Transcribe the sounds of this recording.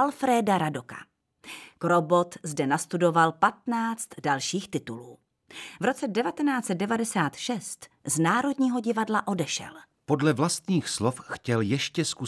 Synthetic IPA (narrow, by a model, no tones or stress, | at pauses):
alfɾɛːdaɾadoka̰ | kɾobo̞t̪zdɛnast̪udo̞valpat̪naːt͡st̪dalʃiːxt̪ɪt̪uluː | vɾo̞t͡sɛdɛvat̪ɛnaːt͡sɛt̪̚dɛvadɛsaːt̪ʃɛst̪znaːɾo̞dɲiːɦo̞ɟɪvadlaʔo̞dɛʃɛ̰l | po̞dlɛvlast̪ɲiːxslofxcɛljɛʃcɛsku